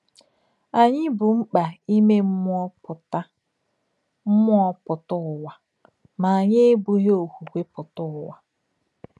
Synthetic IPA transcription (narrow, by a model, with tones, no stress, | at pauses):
a˨ɲɪ˦bʊ˨m̩˦k͡pa˨i˦me˦m̩˦ɔ˦ʊ˨ta˦ | m̩˦mʊ˦ɔ˦pʊ˨tʊ˦˨wa˨ | ma˨a˨ɲɪ˦bu˨ɦe˦o˨ku˨kʷe˦pʊ˨tʊ˦˨wa˨